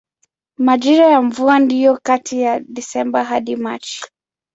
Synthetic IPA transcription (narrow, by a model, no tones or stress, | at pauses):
maʄiɾajaɱvuandijɔkatijaɗisɛmbaɦaɗima̰t͡ʃi̥